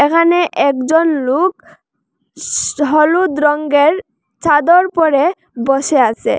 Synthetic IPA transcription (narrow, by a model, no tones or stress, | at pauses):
ekʰaneʔɛkd͡ʑonluk | ɦɔlud̪ɾɔŋɡeɾ | t͡ɕad̪oɾpɔɾe | bɔʃeasʰḛ